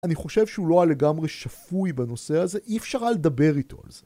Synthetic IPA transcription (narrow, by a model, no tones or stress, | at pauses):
aniχo̞ʃe̞vʃeulo̞ale̞ɡamʁeʃafujbano̞se̞aze̞ʔiefʃaʁaled̪abe̞ʁit̪ʰo̞̰a̰lze